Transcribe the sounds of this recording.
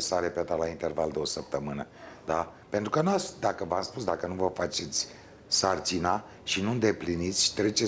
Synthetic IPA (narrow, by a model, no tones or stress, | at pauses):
saɾepeat̪alaint̪e̞rvald̪eo̞səp̚t̪əmɨnə | d̪ape̞nt̪ɾukənuasd̪akəvamspusd̪akənuvəfat͡ʃet̪sʲ | sart͡ʃina | ʃinuɨnd̪e̞plinit̪sʲt̪ɾe̞t͡ʃe